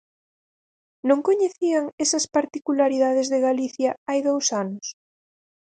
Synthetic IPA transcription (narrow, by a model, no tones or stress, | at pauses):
nõŋkoɲeθiɐŋesɐspaɾt̪ikulaɾiðaðɪzðeɣaliθjɐajðowsanʊs